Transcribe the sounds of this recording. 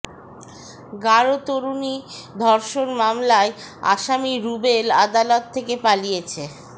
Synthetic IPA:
ɡaɾot̪oɾunid̪ʱɔɾʃonmamlae | a̰ʃamiɾubelad̪alot̪ʰːekepalijet͡ɕʰe

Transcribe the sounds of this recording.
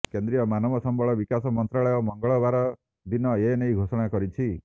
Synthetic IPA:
kend̪ɾijɔmanɔmɔsɔmbɔɭɔbikasɔmɔnt̪ɾaɭɔjɔmɔŋɡɔɭɔbaɾɔ | d̪inɔenejɡʱosɔɽ̃akɔɾit͡ʃʰi

